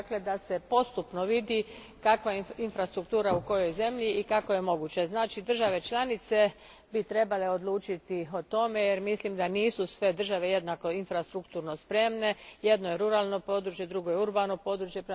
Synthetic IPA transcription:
akle̞d̪ase̞po̞st̪upno̞ʋid̪i | kakʋainfɾast̪ɾuk̚t̪uːɾauko̞jo̞jze̞mʎiːkako̞je̞mo̞ɡut͡ɕe̞znaːt͡ʃid̪r̩ʒaʋe̞t͡ʃlanit̪se̞ | bit̪ɾe̞bale̞o̞d̪lˠuːt͡ʃit̪io̞t̪o̞me̞jeɾmislimd̪aniːsusʋe̞d̪r̩ʒaʋe̞je̞d̪nako̞infɾast̪ɾukt̪uːɾno̞spɾe̞mne̞je̞d̪nojeɾuɾaːlˠno̞po̞ːd̪ɾut͡ʃje̞d̪ɾuɡojeuɾbano̞po̞ːd̪ɾut͡ʃje̞pɾ

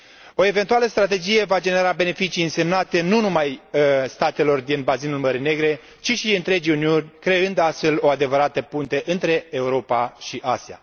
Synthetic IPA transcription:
o̞e̞ve̞nt̪ualəst̪ɾat̪e̞d͡ʒije̞vad͡ʒe̞ne̞ɾabe̞ne̞fit͡ʃiːɨnse̞mnat̪e̞nunumajst̪at̪e̞lo̞rd̪inbazinulməɾine̞ɡɾe̞ | t͡ʃiʃiɨnt̪ɾe̞d͡ʒiuniunʲkɾe̞ɨnd̪ast̪fe̞lo̞ad̪e̞vəɾat̪əpunt̪eʔɨnt̪ɾe̞euɾo̞paʃiʔasia̰

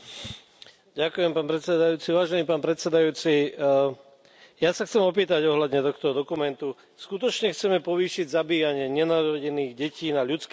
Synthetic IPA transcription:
ɟakujɛmpaːnpɾɛt̪t͡sɛd̪ajuːt͡siʋaːʒɛniːpaːnpɾɛt̪sɛd̪ajuːt͡si | jasaxt͡sɛmɔp̬iːt̪aɟɔɦlad̪ɲɛt̪ɔxt̪ɔd̪ɔkumɛnt̪u | skut̪ɔt͡ʃɲɛxt͡sɛmɛpɔʋiːʃiɟzabiːjaɲɪɛɲɛnaːɾɔɟɛniːɣɟɛciːnaʎut͡sk

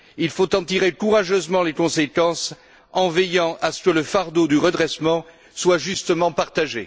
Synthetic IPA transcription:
ilfot̪ɑ̃t̪iʁekuʁaʒøzmɑ̃lekɔ̃sekɑ̃s | ɑ̃vɛjɑ̃ʔasə̥kələfaʁd̪od̪yʁəd̪ʁɛsmɑ̃ | swaʒyst̪əmɑ̃paʁt̪aʒe

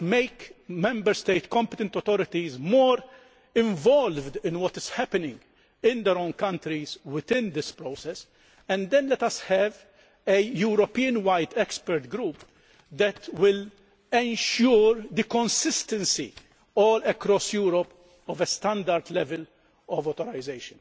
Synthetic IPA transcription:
meɪkmɛ̃mbəɾst̪eɪt̪kɔ̃mpɛt̪ɛ̃nt̪ɔt̪ɔɾɪt̪izmɔːɾ | ɪ̃ɱvɔlvd̪ɪ̃nwɔt̪ɪz̥hæpɛnɪ̃ŋɡ | ɪ̃nd̪ɛɾõʊ̃nkɐ̃nt̪ɾizwɪt̪ɪ̃nd̪ɪspɾoːsɛs | ɛ̃nd̪ɛ̃nlɛt̪ɐshɛv | ɛjuːɾɔpiːə̃nwajt̪ɛkspɛɾt̪ɡɾuːp | d̪ɛt̪wɪl | ɛ̃nʃuːɾd̪ikɔ̃nsɪst̪ɛ̃nsḭ | ɔːlɛkɾɔsjuːɾɔp | ɔvɛst̪ɐ̃nd̪ɐɾd̪lɛvɛl | ɔvɔːt̪ɔɾaɪzeɪʃə̃n

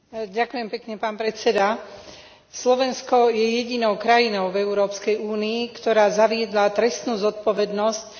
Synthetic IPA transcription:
ɟakujɛmpɛkɲɛpaːnpɾɛt͡sɛd̪a | slɔʋɛnskɔjɛjɛɟinɔʊkɾajinɔʊvɛʊɾɔːpskɛjuːniːkt̪ɔɾaːzaʋɪɛd̪lat̪ɾɛst̪nuːzɔt̪̚pɔʋɛd̪nɔsc̚

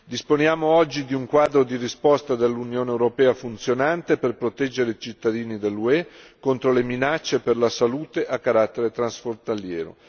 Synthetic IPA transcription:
d̪isponjaːmoɔd͡ʒːid̪iuŋkwaːd̪ɾod̪irispɔst̪ad̪elːunjoːneːwɾopɛːafunt̪sjonant̪eperpɾot̪ɛd͡ʒːeɾeit͡ʃit̪ːad̪iːnid̪elːuɛkont̪ɾoleminat͡ʃːeperlasaluːt̪eʔakːaɾat̪ːeɾet̪ɾansfont̪aljɛ̰ːɾo̰

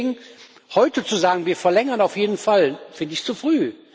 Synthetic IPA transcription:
ɡŋ̩ | hɔʏtət͡suzaːɡŋ̩viːɐfɛɐlɛŋɐnaʊfjeːdn̩falfɪndəɪçt͡sufʁ̥yː

